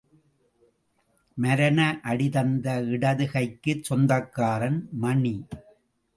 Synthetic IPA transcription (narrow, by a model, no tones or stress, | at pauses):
mɐɾɐnɐʔɐɽɪðɐnd̪ɐɪɽɐðɯɣɐɪkːɯt͡ʃsɔnd̪ɐkːaːɾɐnmɐɳi